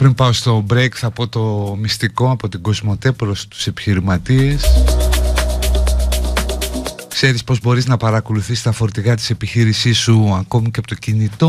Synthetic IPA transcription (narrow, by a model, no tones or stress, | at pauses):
pɾimpɐost̪o̞bɾekθɐpo̞t̪o̞mist̪iko̞ɐpo̞t̪iɡo̞zmo̞t̪e̞pɾo̞st̪u̥se̞pi̥çiɾimɐt̪ies | kse̞ɾispo̞zbo̞ɾiznɐpɐɾɐko̞luθist̪ɐfo̞ɾt̪iɣɐt̪i̥se̞piçiɾisisuɐko̞miceɐpot̪o̞cinit̪o̞